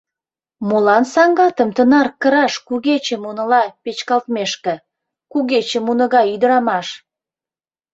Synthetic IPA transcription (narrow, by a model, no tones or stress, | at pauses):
mulɑnsɑŋɡɑt̪əmt̪ənɑrkəɾɑʃkuɣet͡ɕemunəlɑpet͡ɕkɑlt̪meʃkĕ | kuɣet͡ɕemunəɣɑyd̪əɾɑmɑʃ